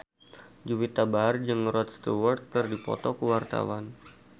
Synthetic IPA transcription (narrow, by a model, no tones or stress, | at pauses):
d͡ʒuwit̪abaɦrd͡ʒɨŋrɔt̪̚st̪uwərt̪̚kɨrdipɔ̰t̪ɔkuwart̪a̰wan